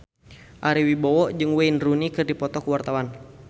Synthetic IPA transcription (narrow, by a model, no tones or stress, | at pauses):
ʔaɾiwibɔwɔʔd͡ʒɨŋweinrunikɨrdipɔt̪ɔkuwart̪awan